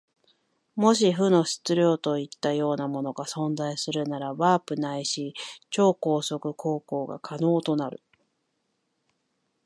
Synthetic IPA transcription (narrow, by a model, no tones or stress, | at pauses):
mo̞ɕ̬iɸɯ̟no̞ɕɨ̥t͡sɨɾʲjo̞ːt̪o̞it̪ːajo̞ːnamo̞no̞ɡasõ̞nzaisɨɾɯ̟naɾaβaːpɯ̟naiɕit͡ɕo̞ːko̞ːso̞kɯ̟kʰo̞ːko̞ːɡa̰kʰano̞ːt̪o̞naɾɯ̟̰